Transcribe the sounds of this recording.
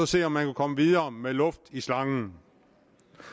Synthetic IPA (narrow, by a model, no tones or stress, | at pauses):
ɒse̝̰ːɒ̽mːænkʰukʰɒ̽məʋið̞ˠɐːmelɔ̽fd̥islɑ̈ŋn̩